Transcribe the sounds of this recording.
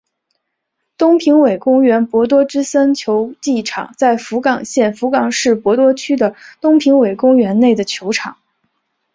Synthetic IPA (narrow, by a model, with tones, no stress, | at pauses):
t̪ʊ˥ŋpʰi˧˥ŋwe˨˩ɪkʊ˥ŋɥɛ˧˥npwɔ˧˥t̪̬wɔ˥ʈ͡ʂɻ̩˥sə˥nt͡ɕʰjo˧˥ʊt͡ɕi˥˩ʈ͡ʂʰɑ̰˨˩ŋt͡sa˥˩ɪfu˧˥kɑ˨˩ŋɕjɛ˥˩nfu˧˥kɑ˨˩ŋʂɻ̩˥˩pwɔ˧˥t̪wɔ˥t͡ɕʰy˥d̪ə˨t̪ʊ˥ŋpʰi˧˥ŋwe˨˩ɪkʊ˥ŋɥɛ˧˥nne˥˩ɪd̪ə˩t͡ɕʰjo˧˥ʊʈ͡ʂʰɑ˨˩˦ŋ